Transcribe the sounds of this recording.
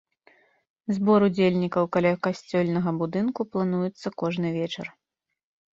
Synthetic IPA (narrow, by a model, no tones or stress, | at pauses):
zbɔɾud͡zʲelʲnʲikɐwkalʲakasʲt͡sʲɔlʲnɐɣɐbud̪ɨnkuplˠan̪ujut̪sːɐkɔʐnɨvʲɛt͡ʂɐr